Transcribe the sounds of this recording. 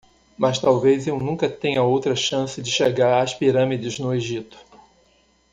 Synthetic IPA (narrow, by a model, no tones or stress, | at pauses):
mɐst̪awvezewnũkɐt̪ẽɲɐowt̪ɾɐʃɐ̃sɪd͡ʒɪʃeɡaɾaspiɾɐ̃mid͡ʒɪznʊeʒit̪ʊ̥